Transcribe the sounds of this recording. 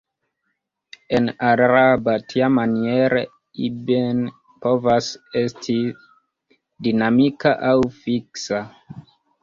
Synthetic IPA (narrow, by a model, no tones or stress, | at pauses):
enaɾɾabatʰiamanieɾe | iben | po̞vase̞stʰi | dinamikaʔawfiksa